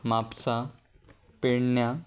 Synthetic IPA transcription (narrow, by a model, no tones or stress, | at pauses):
mapsa | peɽɳja